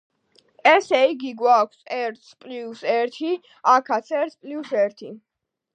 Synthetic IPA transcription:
ɛsɛiɡiɡwakʰsɛɾt̪spʼliusɛɾt̪ʰi | akʰat̪sʰɛɾt̪sʰpʼliusɛɾt̪ʰi

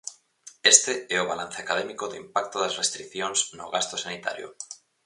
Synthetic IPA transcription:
est̪eeoβ̞alan̟θeakað̞emikoðeimpakt̪oðazrest̪ɾikθjonzno̰ɣast̪osanit̪a̰ɾjo̰

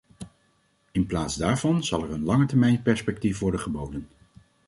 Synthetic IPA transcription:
ɪnplaːtzdaːɹvɑnz̥ɑlˠɛɹənlɑŋətɛɹmɛjnpɛɹspɛk̚tifʋɔɹdəχəbowdən

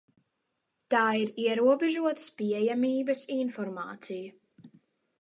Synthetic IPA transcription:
t̪aːiɾiɛɾuɔbɛʒuɔt̪ə̥spiɛjamiːbɐsinfɔɾma̰ːt̪siju

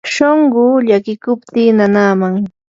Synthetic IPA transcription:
ʃoɴɢʊːʎakɪkʊpt̪iːnanaːmaŋ

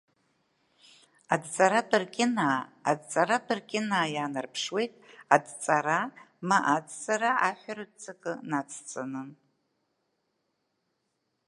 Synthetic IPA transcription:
adt͡sʼaɾapʼɨrkʲʼɪnaːa̰dt͡sʼaɾatʰʼɨrkʲʼɪnaːjaːnɨrpʰʂwe̞jtʼadt͡sʼaɾa | maʔadt͡sʼaɾaaħʷarɨd̚t͡sʰʼɨkʼɨnat͡sʰt͡sʼanɨn

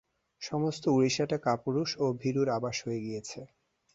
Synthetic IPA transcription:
ʃɔmost̪ouɾiʃaʈakapuɾuʃobʱiɾuɾabaʃɦojeɡijet͡ɕʰe

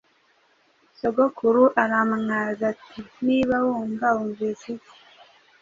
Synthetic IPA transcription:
soɡokʰuɾuʔaɾamaŋazatʰiniβawuːŋɡauːɱviːsi̥

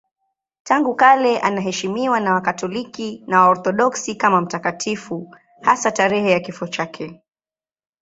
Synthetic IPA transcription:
taŋɡukalɛʔanaɦɛʃimiwanawakatɔlikinawaɔɾθɔɗɔksikamam̩takatʰifu | hasataɾɛhɛjakifɔt͡ʃakʰɛ

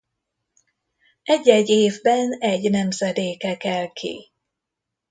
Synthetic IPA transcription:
ɛɟːɛɟːeːvbɛnɛɟnɛmzɛd̪eːkɛkɛlkʰḭ

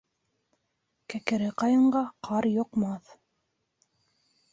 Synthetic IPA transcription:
kækɘ̆ɾɘqɑjɤ̆ɴɢɑqʰɑɾjŏqmɑθ

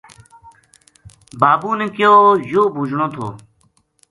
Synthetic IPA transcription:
baːbuːnẽkɪjoːjoːbʱud͡ʑɽ̃õːt̪ʰo̰ː

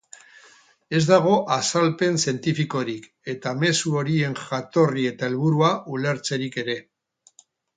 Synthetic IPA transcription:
e̞zd̪aɣ̞o̞ʔasalpe̞nsie̞nt̪ifiko̞ɾik | e̞t̪ame̞suo̞ɾie̞ŋʝat̪o̞rie̞t̪ae̞lβ̞uɾuaʔule̞ɾt͡se̞ɾike̞ɾe̞

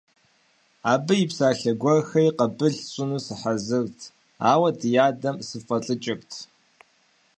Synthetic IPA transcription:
aːbɨjipsaːɬɐɡʷɐrxɐjqɐbɨɮɕʼɪnuːsɨħazɨrtʰ | aːwɐdɨjaːdɐmsɨfʼɐɬʼɨt͡ʃʼɪk̚tʰ

